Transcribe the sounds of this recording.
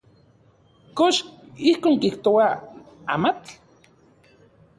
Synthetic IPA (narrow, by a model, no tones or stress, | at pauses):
koʃihkoːŋkiht̪owa | a̰mat͡ɬ